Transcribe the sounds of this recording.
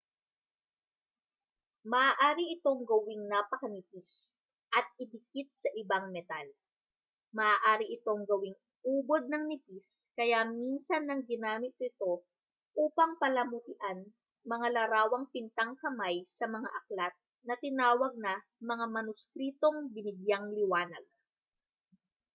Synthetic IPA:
mɐʔːʔaːɾiʔɪt̪o̞ŋɡɐwɪŋnapɐkɐnɪpis | ʔɐt̪̚ɪbɪkit̪̚sɐʔɪbaŋmɛt̪al | mɐʔːʔaːɾiʔɪt̪o̞ŋɡɐwɪŋ | ʔuːbo̞d̪̚nɐŋnɪpiskɐjaminsɐnːɐŋɡɪnaːmɪt̪̚nɪt̪o̞ | ʔuːpɐŋpɐlɐmʊt̪ɪʔan | mɐŋalɐɾaːwɐŋpɪnt̪ɐŋkɐmajsɐmɐŋa̰ʔɐklat̪̚ | nɐt̪ɪnaːwɐɡ̚nɐmɐŋamɐnʊskɾiːt̪o̞ŋbɪnɪɡjaŋlɪwaːnɐ̰ɡ̚

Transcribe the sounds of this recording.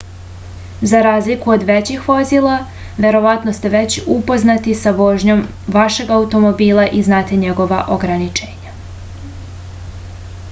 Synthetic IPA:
zaɾaːzlikuod̪ʋet͡ɕixʋo̞zilˠa | ʋe̞ɾo̞ʋat̪nost̪e̞ʋe̞t͡ɕupo̞znat̪isaʋo̞ʒɲo̞m | ʋaʃe̞ɡaut̪o̞mobiːlˠaʔiznaːt̪e̞ɲeɡo̞ʋaʔo̞ɡɾanit͡ʃeːɲa

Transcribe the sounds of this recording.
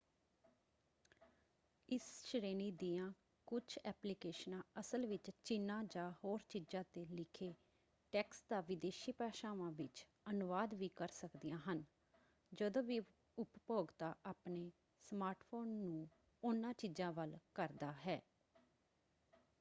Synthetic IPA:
ɪsʃɾeːniːd̪iːãː | kʊt͡ʃʰɛːplɪkeːʃnãːəsəlʋɪt͡ʃt͡ʃɪnːãːd͡ʒaːhoːɾt͡ʃiːd͡ʒãːt̪eːlɪkʰeː | ʈɛːksd̪aːʋɪd̪eːʃiːpɛːʃaːʋãːʋɪt͡ʃ | ənʊʋaːd̪ʋiːkəɾsəkd̪ijãːɦən | d͡ʒəd̪õːʋiː | ʊppoːɡt̪aːʔaːpneː | smaːɾʈpʰoːnːũː | ʊnãːt͡ʃid͡ʒãːʋəlkəɾd̪aːɦɛː

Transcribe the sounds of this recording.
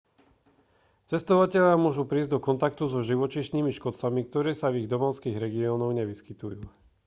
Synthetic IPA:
t͡sɛst̪ɔʋacɛʎɪamʊɔʒupɾiːzɟd̪ɔkɔnt̪ak̚t̪uzɔʒiʋɔt͡ʃiʃniːmiʃkɔt͡samik̚t̪ɔɾɛːsaviɣd̪ɔmɔʊskiːɣɾɛɡiɔːnɔʊɲɛʋiskit̪ujuː

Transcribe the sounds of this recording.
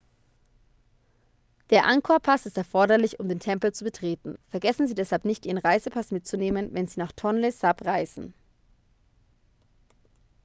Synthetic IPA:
d̥eːɐʔaŋkʰoɐpʰasɪstɛɐfɔɐɾɐlɪçʊmdeːntʰɛmpl̩t͡subətʁ̥eːtn̩fɛɐɡɛsn̩ziːdɛshalpnɪçtʔiːʁənʁaɪzəpʰasmɪt̚t͡suneːmənvɛnziːnaːχtʰɔnlesapʁaɪzn̩

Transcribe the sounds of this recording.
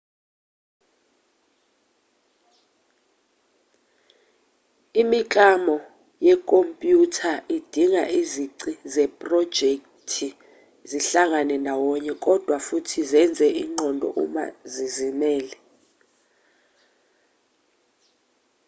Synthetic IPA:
imikʼamɔ | jɛkʼompʼjutʰaʔid̥ʱiŋa̰ʔiziǀizɛpʼrɔd̥d͡ʒ̥ʱek | tʰi | ziɬaŋanɛndʱawɔɲɛkʼɔd̥ʱwafutʰizɛnd͡zʱɛʔiːŋ͡ǃʱɔndʱɔ̰ʔṵma̰zizimɛːlɛ

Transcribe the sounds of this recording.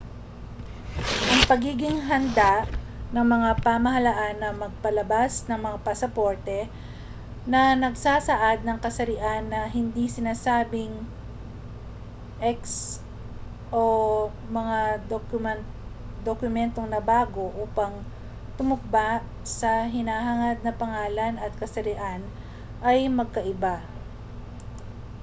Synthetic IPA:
ʔɐŋpɐɡiːɡɪŋɦɐnd̪aʔ | nɐŋmɐŋapaːmɐɦɐlaʔanːɐmɐɡ̚pɐlɐbasnɐŋmɐŋapɐsɐpo̞ɹt̪ɛ | nɐnɐɡsaːsɐʔad̪̚nɐŋkɐsɐɾɪʔanːɐɦɪnd̪isɪnaːsaːbɪŋ | ʔɛks | ʔo | mɐŋad̪okmɛn | d̪okʊmɛnt̪oŋnɐbaːɡo̞ʔuːpɐŋ | t̪ʊmʊk̚baʔ | sɐɦɪnaːɦaŋɐd̪̚nɐpɐŋaːlɐnɐt̪̚kɐsɐɾɪʔan | ʔɐjmɐɡ̚kɐʔɪba

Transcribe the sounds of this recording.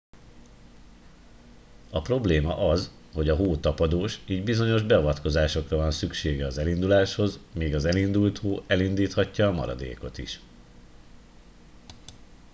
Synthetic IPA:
ɒpro̞bleːmɒ̰ʔɒz | ho̞ɟɒɦoːt̪ɒpɒd̪oːʃiːɟbizo̞ɲo̞ʒbɛɒvɒt̪ko̞zaːʃo̞krɒvɒnsykʃeːɡɛɒzɛlind̪ulaːʃho̞zmeːɡɒzɛlind̪ult̪hoːʔɛlind̪iːt̪hɒcːɒːmɒ̰ɾɒ̰d̪ḛːko̞t̪ḭʃ

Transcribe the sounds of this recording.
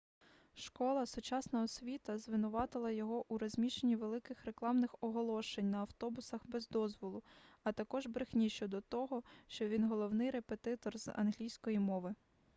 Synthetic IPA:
ʃkɔlˠɐsʊt͡ʃɑsnɐɔsʲʋʲit̪ɐzʋɪnʊʋɑt̪ɪlˠɐjɔɦɔʔuɾɔzʲmʲiʃenʲːiʋelˠɪkɪxɾe̞klˠɑmnɪxɔɦɔlˠɔʃenʲnɐːwt̪ɔbʊsɐxbɛzd̪ɔzʋɔlˠʊɐt̪ɐkɔʒbɾɪxnʲiʃɔd̪ɔt̪ɔɦɔʃt͡ʃɔʋʲinɦɔlˠɔwnɪjɾepet̪ɪt̪ɔrz̥ɐ̰nɦlʲijsʲkɔjimɔʋɪ

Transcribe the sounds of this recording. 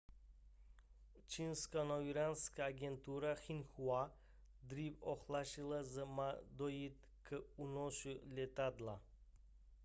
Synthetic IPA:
t͡ʃʰinskanoviɾanskaːɡʲent̪uɾaxinxua | d̪ɾivoχlˠaʃilˠəzəmad̪ojit̪ | kʰəunoʃulʲet̪ad̪lˠa

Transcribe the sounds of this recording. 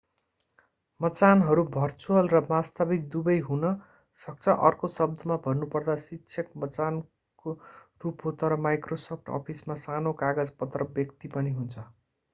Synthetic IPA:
mʌt͡sanɦʌɾubʱʌrt͡suʌlrʌmast̪abik̚d̪ubʌjɦunʌ | sʌk̚t͡sʰʌʔʌ̰rkosʌb̚d̪ʱʌmabʱʌnːupʌrd̪asikt͡sʰjʌkmʌt͡san | korupɦot̪ʌɾʌmajkrosʌp̚ʰʈɔ̰pʰismasanokaɡʌd͡zpʌt̪ːrʌbjʌkt̪ipʌniɦunt͡sʰʌ

